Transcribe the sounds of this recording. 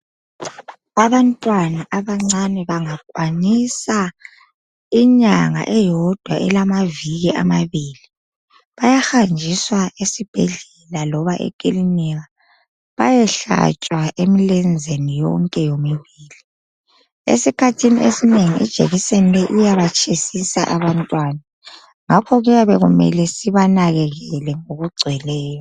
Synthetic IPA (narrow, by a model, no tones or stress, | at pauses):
aβantʼwanaʔaβaŋ͡ǀanɛβaŋak̚ʼwanisa | iɲaŋa̰ʔɛjɔd̥ʱwaʔɛ̰lamaviɣiʔa̰maβiːli | βajaxand͡ʒʱiswaesib̥ʱɛɮɛlalɔβaʔɛ̰kʼiliniɣa | βajɛɬa̰t͡ʃʼwaʔemilɛnd͡zʱenijɔ̰ŋkʼɛjomiβiːli | ḛsikʰatʰiniesineŋiʔḭd̥ʒ̥ʱḛɣisenilɛʔijaβat͡ʃʼʰesisa̰ʔaβantʼwaːna | ŋakʰɔɣujaβɛɣumɛ̰lɛsiβanaɣɛɣɛlɛŋoɣuɡ͡ǀʱɛlɛːjɔ